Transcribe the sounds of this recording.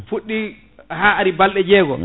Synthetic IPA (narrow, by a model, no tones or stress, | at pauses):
fuɗːi | ɦaːaɾibalɗɛd͡ʒɛːɡɔ̰